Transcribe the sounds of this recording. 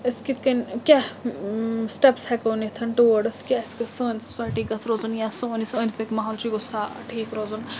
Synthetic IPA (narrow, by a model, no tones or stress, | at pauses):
əskit̪ʰkɐnkʲa | sʈepshɛkoːnit̪ʰɐnʈuʋəɖɨskʲaiskisəːnd̪su̥saːjʈiːɡɐsɾoːzunjasoːnisə̃ːnd̪̚ʰpekmaːɦoːlt͡ʃiɡosaːʈʰiːkɾoːzun